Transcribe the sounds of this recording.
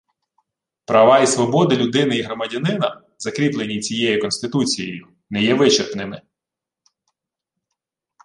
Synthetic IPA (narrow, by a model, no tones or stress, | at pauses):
pɾɐʋɑisʋɔbɔd̪ɪlʲʊd̪ɪnɪiɦɾɔmɐdʲɐnɪnɐ | zɐkɾʲiplˠenʲːit͡sʲijɛjikɔnst̪ɪt̪ut͡sʲijḛjʊ | nɛjɛʋɪt͡ʃerpnɪmɪ